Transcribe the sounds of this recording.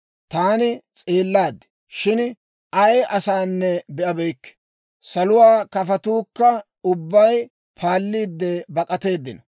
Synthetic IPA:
t̪aːnɪt͡sʼeːlːaːd̪ːɛ̥ | ʃɪn | ʔɐjʔɐsaːnːɛbɛʔɐbɛjkːɛ̥ | sɐlʊwaːkɐfɐt̪uːkːɐ | ʊbːɐj | pʰaːlːiːd̪ːɛbɐkʼɐt̪e̞ːd̪ːɪnɐ

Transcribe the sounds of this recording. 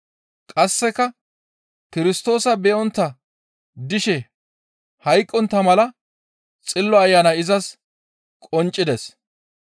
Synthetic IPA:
kʼɐsːɛkɐ | kɪɾɪst̪o̞ːsɐbɛʔɔnt̪ːɐ | d̪ɪʃɛ | hɐjkʼːɔnt̪ːɐmɐlɐ | t͡sʼɪlːɔɐjːaːnɐɪzɐs | kʼɔnt͡ʃʼːɪd̪ɛs

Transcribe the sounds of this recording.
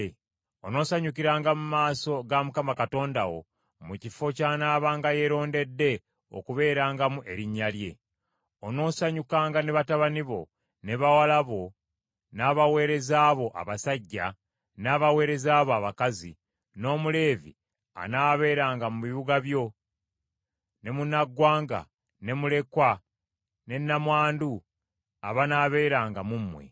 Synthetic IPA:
ono̞ːsaɲukiɾaːŋɡamumaːso̞ɡamukamakato̞ːndawo̞̰ | mucifo̞caːnaːβaːŋɡaje̞ɾo̞ːnde̞dːe̞ | o̞̰kuβe̞ːɾaːŋɡamuʔe̞ɾiɲːalje̞ | ono̞ːsaɲukaːŋɡane̞βataβaniβo̞̰ | ne̞βawalaβo̞ | naːβawe̞ːɾe̞zaːβo̞ʔa̰βasaɟːa | naːβawe̞ːɾe̞zaːβoaβakazi | no̞ːmule̞ːvḭ | a̰naːβe̞ːɾaːŋɡamuβiβuɡaβjo̞ | ne̞munaɡːwaːŋɡa̰ | ne̞mule̞kwa | ne̞nːamwaːndu | a̰βanaːβe̞ːɾaːŋɡamumːwe̞̰

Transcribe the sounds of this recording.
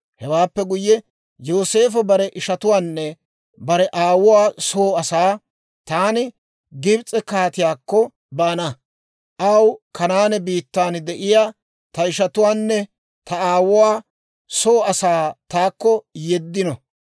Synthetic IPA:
hɛwaːpːɛɡʊjːɛ | joːse̞ːfɐbɐɾɛʔɪʃɐt̪ʊwaːnːɛ | bɐɾɛʔaːwʊwaːso̞ːɐsaː | t̪aːnɪ | ɡɪbt͡sʼɛkaːt̪ɪjaːkːɔ | baːnɐ | ʔɐwkʰɐnaːnɛbiːt̪ːaːnd̪ɛʔɪjaː | t̪ɐɪʃɐt̪ʊwaːnːɛ | t̪ɐaːwʊwaː | soːɐsaːt̪aːkːɔjɛd̪ːɪnɔ

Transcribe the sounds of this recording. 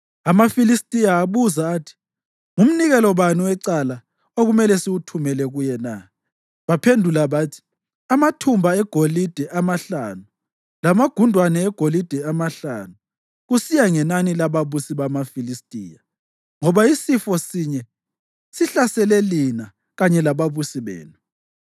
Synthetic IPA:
amafilistʼijaːβuzaːtʰi̥ | ŋum̩niɣɛlɔβaniwɛǀala | oɣumɛlɛsiɣutʰumɛlɛɣujɛna | βapʰendʱulaβatʰi̥ | amatʰumbʱaɛɡ̥ʱolid̥ʱɛʔamaɬanu | lamaɡ̥ʱundʱwanɛɛɡ̥ʱolid̥ʱɛamaɬa̰nu | ɣusijaŋɛnanilaβaβusiβamafilistʼija | ŋɔβaisifɔsiɲɛ | siɬasɛlɛlina | ɣaɲɛlaβaβusiβḛːnu

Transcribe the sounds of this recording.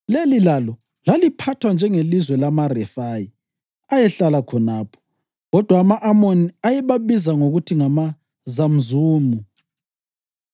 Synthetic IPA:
lelilalɔ | lalipʰatʰwand͡ʒʱɛŋelizwɛlamarɛfaji | ajɛɬalakʰɔnaːpʰɔ̥ | ɣɔd̥ʱwaːmaʔamoniajɛβaβizaŋoɣutʰiŋama | zam̩zuːmu

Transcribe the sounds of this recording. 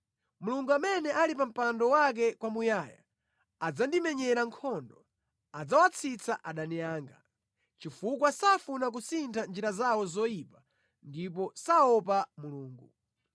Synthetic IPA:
muluŋɡuamɛnɛʔalipam̩pandɔwak̬ɛkwamujaja̰ | ad͡zandimɛɲɛɾaŋkʰɔndɔ | ad͡zawat͡sʰit͡sʰaʔaɗanijaːŋɡa | t͡ʃifukwasafunak̬usintʰand͡ʒiɾazawɔzɔjipa | ndip̬ɔsaɔpamuluːŋɡu

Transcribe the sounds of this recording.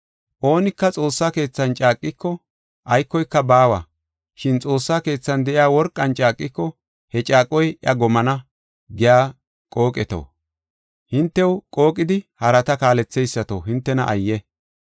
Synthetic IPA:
ʔo̞ːnɪkːɐt͡sʼo̞ːsːaːke̞ːt͡sːɐnt͡ʃʼaːkʼːɪkːɔ | ʔɐjkːɔjkːɐbaːwa̰ | ʃɪnt͡sʼo̞ːsːaːke̞ːt͡sːɐnd̪ɛʔɪjaːwɔɾkʼːɐnt͡ʃʼaːkʼːɪkːɔ | hɛt͡ʃʼaːkʼːɔjʔɐɡɔmɐnɐ | ɡɪjaː | kʼo̞ːkʼɛt̪o̰ː | hɪnt̪ːɛwkʼo̞ːkʼːɪd̪ɪhɐɾɐt̪ɐkaːlɛt͡sːɛjsːɐt̪o̰ːɦɪnt̪ːɛnɐʔɐjːɛ

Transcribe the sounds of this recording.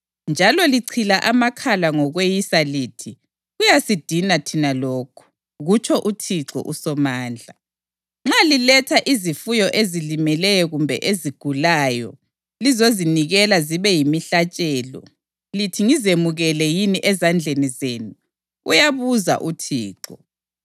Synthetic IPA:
nd͡ʒʱalɔliǀʰilaʔamakʰalaŋɔɣwejisaliːtʰi | ɣujasid̥ʱinatʰinalɔːkʰu̥ | ɣut͡ʃʰɔʔutʰiǁɔ̰ʔusɔmaːnd͡ɮʱa | ŋ͡ǁalilɛtʰaʔizifujɔʔezilimɛlɛjɔɣumbʱɛ̰ʔeziɡ̥ʱulaːjɔ̰ | lizoziniɣɛlaziβɛjimiɬat͡ʃʼɛːlɔ̰ | litʰiŋizemuɣɛlɛjiniʔɛzand͡ɮʱenizeːnu | ujaβuza̰ʔutʰḭːǁɔ

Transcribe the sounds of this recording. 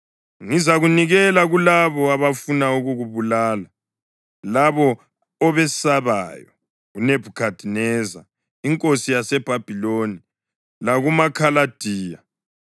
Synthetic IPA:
ŋizaɣuniɣɛlaɣulaβɔaβafunauɣuɣuβulaːla | laβɔ | ɔβɛsaβa̰jɔ | ɣuneb̥ʱukʰad̥ʱinɛːza̰ | iŋkʼosijasɛb̥ʱab̥ʱiloni | laɣumakʰalad̥ʱiːja

